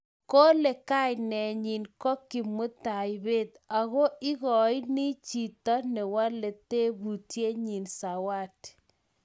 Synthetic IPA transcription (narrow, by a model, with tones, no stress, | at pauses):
ko˦le˨ka˦jnɛ˨ɲi˨nkɔ˦ki˨mʊ˦t̪a˨jbe˦˨t̪a˨ɣo˦ɪ˦ɣɔ˨jnɪ˦t͡ʃi˨t̪a˦nɛ˨wa˦le˨t̪e˦bu˨tje˦ɲi˨nsa˨wa˦˨t